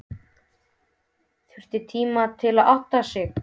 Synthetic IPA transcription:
θʏr̥t̪ɪt̪ʰiːmat̪ʰɪlaðawht̪asɪx

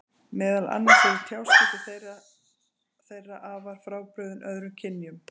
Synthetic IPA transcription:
mɛːðala̰nːasɛvɪt̪ʰjawsɛt̪ɪθejra | θejrːaʔavaɾ̥fɾaːwpɾœːðʏnʔœðɾʏmcʰɪnːjʏm

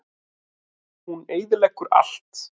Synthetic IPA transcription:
huneːjðɪlɛkːʏɾa̰l̥t̪

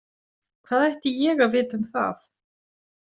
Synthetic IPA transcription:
kʰv̥aːðɛjht̪ɪjɛɣavɪːt̪ʏmθa̰θ

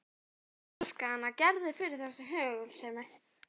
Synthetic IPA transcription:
lskahanːacɛɾðɪfɪɾɪɾ̥θɛsːɪɦœːɣʏlsɛmɛ

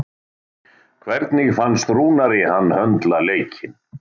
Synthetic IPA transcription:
kʰvɛɾt̪nɪɣfanːst̪ɾuːnaɾɪhanːhœnt̪laleːjcʰɪn

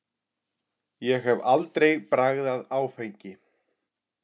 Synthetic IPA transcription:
jɛɣhɛvalt̪ɾejpɾaɣðaðaːwfejɲcɪ

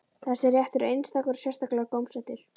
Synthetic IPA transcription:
θasɪɾjɛht̪ʏɾejnst̪akʏɾ̥sjɛr̥st̪aklɛɣkowmsɛt̪ɪɾ̥

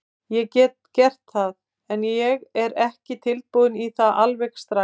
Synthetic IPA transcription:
jɛcɛːt̪̚cɛr̥t̪θaθ | ɛnjɛɣɛɾɛhcɪt̪ʰɪl̚puðʏniθaðʔalvɛxst̪ɾa

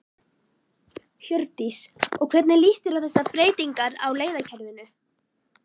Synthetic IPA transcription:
çjœɾt̪isɔɣkʰvɛɾt̪nɪliːst̪ɪɾawθɛsːapɾeːjt̪iŋkaɾa̰wleːjðacʰɛɾðɪnʏ

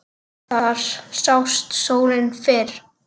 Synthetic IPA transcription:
θaɾ̥sawst̪soːwnɪnfɪːɾ̥

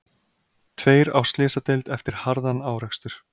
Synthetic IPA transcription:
t̪ʰveːjɾa̰wst̪lɪːsat̪ejlt̪ɛft̪ɪɾ̥haɾðanaːwr̥ɛkst̪ʏɾ̥

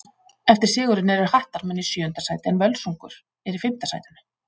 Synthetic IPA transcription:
ɛft̪ɪɾ̥sɪːɣʏɾɪnɛɾʏɾ̥haht̪aɾmɛnːisjœːʏnt̪asaːjt̪ɪɛnvœlsuŋkʏɾ̥ | ɛɾɪfɪm̥t̪asa̰jt̪ɪnʏ̥

